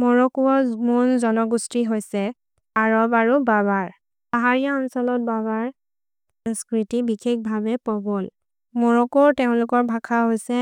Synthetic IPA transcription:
mɔɹɔkuɔmunzɔnɔɡustiɦojsɛ | aɹɔbaɹubabaɹ | aɦaɹijaɔnsɔlɔt̚baβaɹ | saskɹitibikʰek̚bʱabɛpɔbɔl | mɔɹɔkɔteʊ̃lʊkɔɹbʱakʰaɦojsɛ

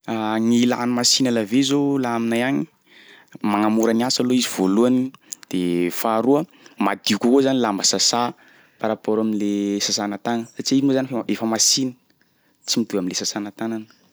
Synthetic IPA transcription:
aŋila̰nimasinalavezolaminajaɲi | maŋamuɾaniasaloiziv̥oluanid̪̥efaɾuə | mad̪iukʲukozanilambəsasa | paɾapoɾaminlesasanat̪anəsat͡ʃiinozanifeefəmasinə̥ | t͡simid̪uaminlesasanat̪ananə̥

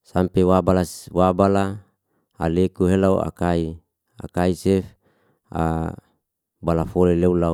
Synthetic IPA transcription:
sampewabalaswabala | a̰lekuɦelaua̰kai | a̰kaisef | a̰ | balafoleleula

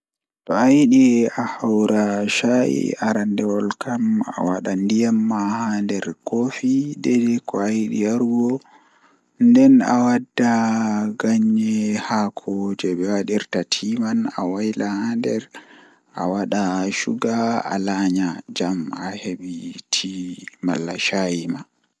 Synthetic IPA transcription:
tɔajɗiahawɾaʃaʔḭaɾandɛwɔlkama̰waɗandijamːahandɛɾkofidɛdɛkɔajɗḭaɾɡɔ | ndɛna̰wadːaɡaɲːɛhakʰɔd͡ʒɛɓɛwaɗiɾtatʰimana̰wajlahandɛɾ | ʔa̰waɗaʃuɡaa̰laɲad͡ʒamaheɓitʰimalːaʃajima

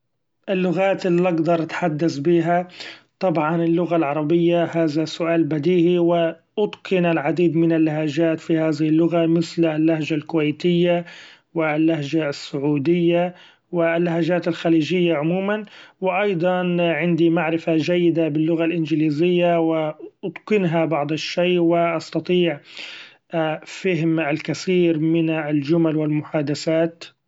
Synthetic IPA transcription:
ʔɪlːʊɣaːt̪ɪlːiʔɑɡd̪ɑɾˤʔat̪ħad̪ːasbiːɦat̪ˤɑbʕɑnɪlːʊɣalʕɑɾˤɑbɪjːahaːðasːʊʔaːlbad̪iːʔiwɪ | ʔʊd̪qʰɨnalʕad̪iːd̪mɪnalːahaʒaːt̪fihaːðɪhɪlːʊɣamɪθlalːahʒalkʊwajt̪ɪjːa | wɪlːahʒasːʊʕuːd̪ɪjːa | wɪlːaɦaʒaːt̪ɪlxaliːd͡ʒɪjːaʕʊmuːmanwɪʔɑjd̪ˤɑnʕɪnd̪imaʕɾɪfad͡ʒajːɪd̪abɪlːʊɣalʔɪnd͡ʒɪliːzɪjːawɪʔʊd̪kɪnɦabɑʕd̪ˤɪʃːeːʔwɪʔɑst̪ɑt̪ˤiːʕ | fɪɦmɪlkaθiːɾmɪnɪld͡ʒʊmalwɪlmʊħaːd̪aθaːt̪

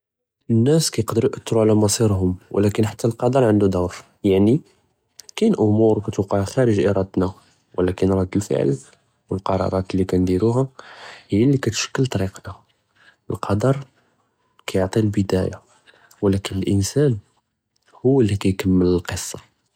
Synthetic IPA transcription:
ənːæskæjqd̪əɾjʔət̪ːɾuʕlæmɑsˤiɾɦʊmwə̰lækənħḁt̪ːælqɑd̪ɑɾˤʕənd̪ud̪awɾ | jaʕni | kænʔʊmuɾwkæt̪uqɑʕxæɾəʒʔiɾˤɑd̪næ | wʔə̰lːækənɾˤɑd̪əlfə̰ʕ̰l | wəlqɑɾˤɑ̰ɾˤɑt̪lːikænd̪iɾuɦæhəjːælːikæt̪ʃə̥kːəlt̪ˤɑɾiqna | əlqʰɑd̪ɑɾˤ | kæjoʕt̪ˤilbəd̪æja | wlækənəlʔənsæn | hʊwːəlːikæjkəmːələlqəsˤːɑ

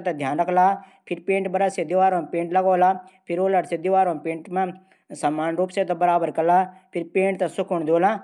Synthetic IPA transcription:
t̪ɐd̪ʱjaːnɐklaːpʰɪɾpẽːɳʈbɐɾəsed̪iʋaːɾõːmpẽːɳʈlɐɡoːlaːpʰɪɾoːləɽsed̪iʋaːɾoːmpẽːɳʈmã | sɐmːaːnɾuːpset̪ɐbɐɾaːbəɾkɐlaːpʰɪɾpẽːɳʈ̚t̪ɐsʊkʰuɳd̪oːlãː

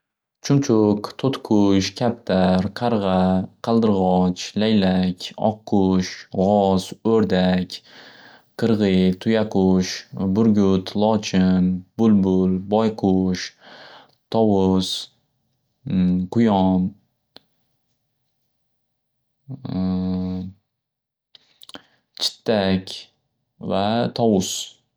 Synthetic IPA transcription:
t͡ʃʰʊmt͡ʃʰʊqt̪ʰot̪qʰʊʃkʲʰap̚t̪ʰaɾqʰɑɾʁɑqʰɑlˠd̪ɨɾʁɒt͡ʃlajlakʲɒ̰qʰːʊʃʁɒz̥ɵɾd̪akʲ | qʰɨɾʁɨjt̪ʰʊjaqʊʃbʊɾɡʲʊt̪ʰlˠɒt͡ʃʰɪnb̥ʊlbʊlbɒjqʰʊʃ | t̪ʰɒwʊs | qʰʊjɒn | t͡ʃʰɪ̥t̪ʰːakʲ | vat̪ʰɒwʊs

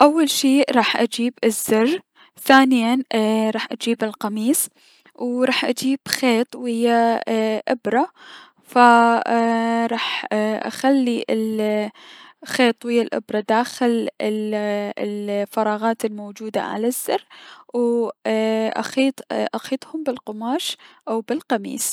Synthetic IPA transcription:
ʔawːalʃiːɾˤɑːħʔad͡ʒiːbɪzːʊr | θaːnɪjanɾˤɑːħʔad͡ʒiːbɪlqɑmiːs | wɾˤɑːħʔad͡ʒiːb̥xeːt̪ˤwɪjːaʔɪbɾˤɑ | fa | ɾˤɑːħʔa̰xalːiɪl | xeːt̪ˤwɪjːalʔɪ̰bɾˤɑd̪aːxɪlɪ | lfɑɾˤɑːɣɑːt̪ɪlmowd͡ʒuːd̪a̰ʕa̰lazːɪrw | ʔa̰xiːt̪ˤʔaxiːt̪ˤhʊmbɪlqʊmaːʃʔawbɪlqɑmḭːs

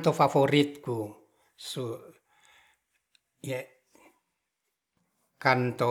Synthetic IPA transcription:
t̪ofaforit̪ku | su | je | kɑnt̪o

